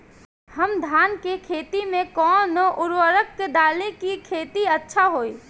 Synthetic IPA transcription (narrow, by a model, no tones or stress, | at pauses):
həmd̪ʱaːnkekʰeːt̪imẽkɔːnoʔʊɾwəɾəkːed̪aːlekikʰeːt̪iətːʃʰaɦoːi